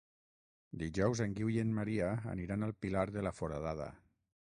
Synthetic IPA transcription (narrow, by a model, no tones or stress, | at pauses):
d̪iʒɔwzeŋɡiwjenmaɾia̰ːniɾanəlˠpilaɾðəlafoɾaðaðə̰